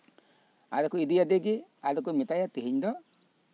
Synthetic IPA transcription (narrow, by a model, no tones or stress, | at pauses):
a̰lekuidijadeɡialek̬omɪtajatiɦiɲdɔ